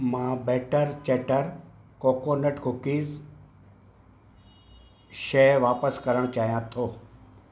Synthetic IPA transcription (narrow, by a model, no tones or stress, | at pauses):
mãːbeːʈəɾt͡ɕeːʈəɾkoːkoːnəʈkʰʊkiːz | ʃeːʋaːpəskəɾəɽ̃t͡ɕaːɦijãt̪ʰoː